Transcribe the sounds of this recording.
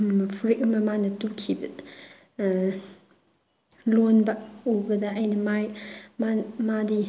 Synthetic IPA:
mɐpʰuɾik̚mɐmanɐtukʰibɐ | lɔnbak̚obɐdɐɐjnɐmajmamadi

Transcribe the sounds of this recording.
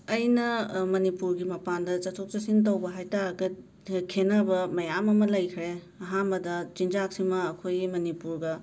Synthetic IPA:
ɐjnɐmɐnipuɾɡimɐpandɐt͡ʃɐtʰok̚t͡ʃɐsint̬ɐwbɐɦajtaɾɐɡɐ | kʰenabɐmɐjamɐmɐlɐjkʰɾe | ɐɦanbɐdɐt͡ʃind͡ʒak̚simɐːkʰojimɐnipuɾɡɐ

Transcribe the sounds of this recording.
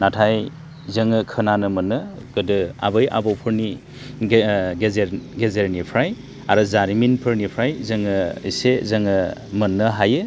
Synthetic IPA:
natʰaj | zɯŋɯkʰɯnanɯmɯnːɯ | ɡ̥ɯdɯa̰bɯja̰bɔwpʰɯɾni | ɡezeɾɡezeɾnipʰɾaj | aɾɯzaɾiminpʰɯɾnipʰɾajzɯŋɯisezɯŋɯmɯnːɯɦajɯ

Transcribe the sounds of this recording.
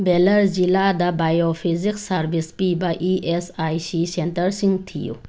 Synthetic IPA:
belɐɾd͡ʑilaːd̪abajofiziksaɾbispibaʔiʔesajsisent̪əɾsiŋɡt̪ʰijṵ

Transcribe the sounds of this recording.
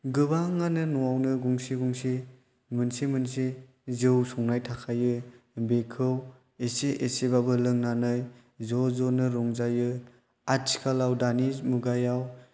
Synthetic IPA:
ɡɯbaŋːanɯnuawnɯɡuŋsiɡuŋsi | mɯnsimɯnsi | zɯwsɔŋnajtʰakʰajɯbekʰɯw | eseʔesebabɯlɯŋnanɯj | zozɔnɯɾɔŋzajɯ | at͡ʃʰkʰalawdanizmuɡajaw

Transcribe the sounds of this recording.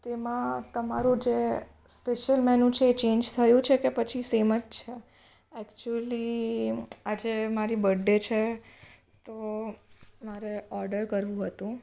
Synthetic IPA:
t̪emãt̪əma̰ɾũd͡ʒe | speʃəlmɛnũt͡ʃʰeːt͡ʃend͡ʒt̪ʰəjũt͡ʃʰekepət͡ʃʰiseməd͡ʒt͡ʃʰe | ɛkt͡ʃuəli | ad͡ʒemaɾibəɖːet͡ʃʰe | t̪o | maɾeɔɾɖəɾkəɾʋũɦət̪ũ

